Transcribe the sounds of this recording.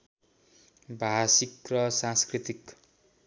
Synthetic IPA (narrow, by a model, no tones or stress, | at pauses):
bʱasikrʌsãnskrit̪ik